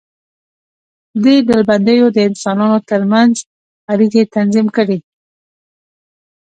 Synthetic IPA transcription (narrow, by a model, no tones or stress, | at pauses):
d̪eɖəlband̪əjod̪əɪnsɑnɑnot̪əɾmanz | aɾiɣet̪anzimkəɽe